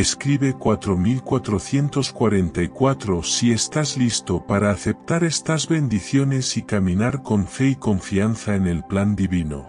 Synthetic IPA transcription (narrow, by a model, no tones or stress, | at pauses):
e̞skɾiβe̞kwat̪ɾo̞milkwat̪ɾoθje̞nt̪o̞skwaɾe̞nt̪aikwat̪ɾo̞sie̞st̪azlist̪opaɾaːθe̞p̚t̪aɾest̪azβe̞nd̪iθjo̞ne̞sikamĩnaɾko̞ɱfe̞iko̞ɱfianθaene̞lpland̪iβino̰